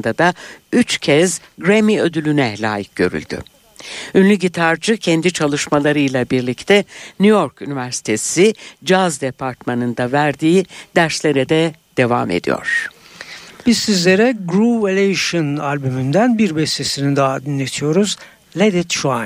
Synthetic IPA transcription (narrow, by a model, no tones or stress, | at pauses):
nd̪ad̪ayt͡ʃcʰɛzɡɾemiø̞d̪ylʲynɛlʲa̰ːjic̚ɟ̥ø̞ɾy̰lʲd̪y̰ | ynlʲyɟit̪ʰaɾd͡ʒɯcʰɛnd̪it͡ʃʰalˠɯʃmalˠaɾɯjlˠabiɾlʲict̪ʰɛnyjo̞ɾkynivæɾsi̥t̪ʰe̞sid͡ʒazd̪epʰaɾt̪manɯnd̪avæɾd̪iːd̪̥æɾslʲe̞ɾɛd̪ɛd̪̥e̞va̰mḛd̪ḭjo̞̰ɾ̥ | b̥izsizlʲeɾɛɡɾuelʲeʃɯnalʲbymynd̪ænbiɾbɛst̪esinid̪aad̪inlʲet̪ʰijo̞ɾuz | lʲed̪it̪ʃua